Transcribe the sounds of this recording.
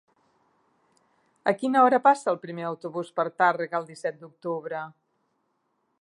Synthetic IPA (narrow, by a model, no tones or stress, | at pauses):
əkinəɔɾəpasəːlˠpɾimeəwt̪uβuspəɾt̪arəɣəlˠd̪isɛt̪̚d̪uk̚t̪uβɾə